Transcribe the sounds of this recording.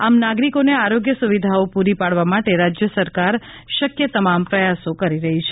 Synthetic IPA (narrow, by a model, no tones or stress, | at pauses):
amnaɡɾikoneaɾoɡjəsuʋid̪ʱaopuɾipaɽʋamaʈeɾad͡ʒjəsəɾkaɾ | ʃəkjət̪əmampɾəjasokəɾiɾəɦit͡ʃʰe